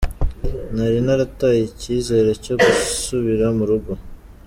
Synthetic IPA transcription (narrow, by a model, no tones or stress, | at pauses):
naɾinaɾatajiciːze̞ːɾeco̞ɡusuβiɾamuɾuɡo